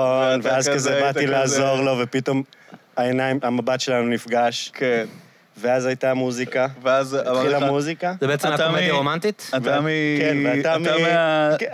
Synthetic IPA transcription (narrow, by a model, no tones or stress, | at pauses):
onveazkazebatilaːzzo̞ʁlo̞vepito̞maenajimamabatʃe̞lanunifɡaʃk | veazajt̪amuzikaveazlamuzikazebeet͡semamaiʁomant̪it̪amikenveat̪am